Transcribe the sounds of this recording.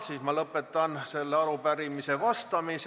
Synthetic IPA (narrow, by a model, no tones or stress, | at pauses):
siːsmɑlɤpːˑe̞t̪ːˑɑnse̞lːeɑɾupæɾimise̞vɑst̪ɑmis